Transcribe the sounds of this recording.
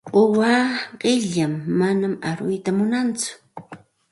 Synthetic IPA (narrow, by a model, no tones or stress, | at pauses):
ʊwaːɢɪʎamːanamaɾʊjt̪amʊnant͡sʊ̥